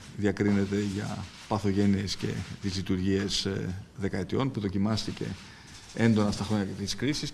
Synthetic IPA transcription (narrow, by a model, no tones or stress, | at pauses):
ðiɐkɾine̞t̪e̞ʝɐ̰ | pɐθo̞ʝe̞nie̞sce̞̰t̪izlit̪uɾʝiezðe̞kɐet̪io̞npuðo̞cimɐst̪ice̞̰ | e̞nd̪o̞nɐst̪ɐxɾoɲɐket̪ii̥skɾisis